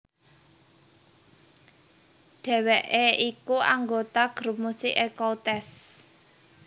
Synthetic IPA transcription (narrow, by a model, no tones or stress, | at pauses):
ɖ̪̥ɛ̤weʔeikuaŋɡot̪aɡ̥ɾup̚musɪʔekɔlt̪ɛs